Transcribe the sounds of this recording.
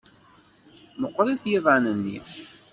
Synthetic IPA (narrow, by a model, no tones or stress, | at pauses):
məqːɾˤiθjiðˤanənːḭ